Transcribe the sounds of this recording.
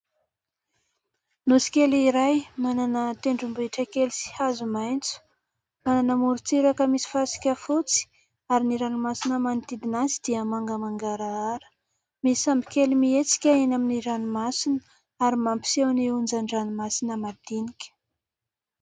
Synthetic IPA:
nusi̥kʲeliɾajmananət̪eɳɖ͡ʐumbuiʈ͡ʂəkelisi̥hazumajnt͡su̥ | mananəmuɾut͡siɾakəmisi̥fasi̥kʲəfut͡si̥ | aɾiniɾanimasinəmant̪id̪inazi̥d̪iəmaŋɡəmaŋɡaɾaaɾə̥ | misambi̥kʲelimiet͡si̥kʲəenaminiɾanumasinə | aɾimampi̥sewniund͡ʒaɳɖ͡ʐanimasinəmad̪̥inikʲə̥

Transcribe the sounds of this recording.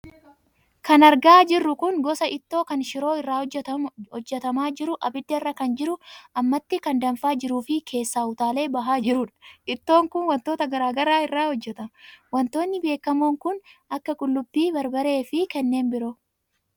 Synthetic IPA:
kɐnɐɾɡaːd͡ʒɪrːʊkʊnɡɔsɐʔɪt̪ːo̞ːkɐnʃɪɾo̞ːɪrːaːhɔd͡ʒːɛt̪ɐmaːd͡ʒɪɾʊʔɐbɪd̪ːɐɪrːɐkɐnd͡ʒɪɾʊʔɐmːɐt̪ːɪkɐnd̪ɐmfaːd͡ʒɪɾuːfɪkʰe̞ːsːaːʊt̪aːle̞ːbɐɦaːd͡ʒɪɾʊᶑɐ̥ɪt̪ːo̞ːŋkʊnwɐnt̪oːt̪ɐɡɐɾaːɡɐɾaːɪrːaːhɔd͡ʒːɛt̪ɐmwɐnt̪o̞ːnːɪbe̞ːkːɐmoːŋkʊnʔɐkːɐkʼʊlːʊbːiːbɐɾbɐɾe̞ːfɪkɛnːe̞ːnbɪɾo̞ː

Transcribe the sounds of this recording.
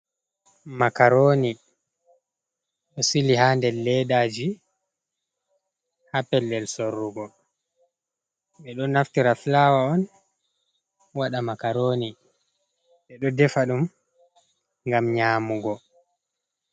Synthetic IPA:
makaɾoːni | ɗɔsilihandɛlːɛɗad͡ʒi | hapɛlːɛlsorːuɡɔ | ɓɛɗɔnaftiɾafilaːwaɔn | waɗamakaɾoːni | ɓɛɗɔdɛfaɗum | ŋɡamɲaːmuɡɔ

